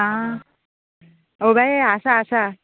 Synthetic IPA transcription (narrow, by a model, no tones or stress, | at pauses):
a | obajasaːsa